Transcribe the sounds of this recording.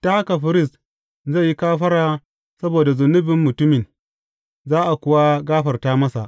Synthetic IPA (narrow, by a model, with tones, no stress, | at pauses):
ta˦ha˦ka˨ɸɪ˦ɾɪ˦s | ze˦˨ji˦kaː˦ɸɐ˦ɽaː˦ | sɐ˦boː˨da˨zʊ˨nːʊ˦bɪ˨mːʊ˨tʊ˦mɪ˨n | zaː˦ʔa˨kʷʊ˨wa˦ɡaː˦ɸɐ˨rtaː˦mɐ˦sa̰˨ʔ